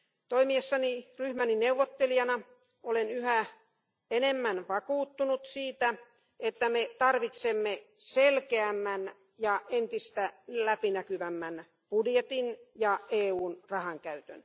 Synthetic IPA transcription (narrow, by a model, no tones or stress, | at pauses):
t̪oimiesːɑniryhmænineuʋːot̪ːelijɑnɑ | olenyhæ | enemːænʋɑkuːt̪ːunut̪siːt̪æ | et̪ːæmet̪ɑrʋit̪semːeselkeæmːæn | jɑent̪ist̪ælæpinækyʋæmːæn | pudjet̪injɑeːuːnrɑhɑŋkæyt̪ø̰n